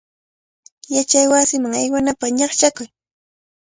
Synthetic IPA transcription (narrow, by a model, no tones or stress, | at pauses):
jat͡ʃajwasɪmaŋajwanapaɲɑχt͡ʃakʊj